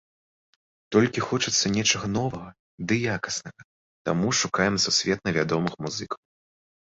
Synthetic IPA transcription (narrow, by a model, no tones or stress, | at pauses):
t̪ɔlʲkʲixɔt͡ʂɨt̪sːɐnʲɛt͡ʂɐɣɐnɔvɐɣɐ | d̪ɨjakɐ̥snɐɣɐ | t̪a̰muʂukajɛmsusʲvʲɛt̪̚nɐvʲad̪ɔmɨxmuzɨkɐw